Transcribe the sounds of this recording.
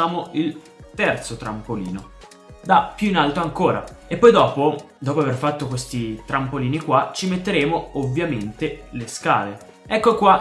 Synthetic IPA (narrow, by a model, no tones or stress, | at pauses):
aːmoil | t̪ɛrt̪sot̪ɾampolḭːno | d̪apːjuinalt̪oaŋkoːɾa̰epːɔjd̪ɔːpod̪ɔːpoaverfat̪ːokwest̪it̪ɾampoliːnikwat͡ʃimet̪ːeɾeːmoovːjament̪eleska̰ːle | ɛkːokwa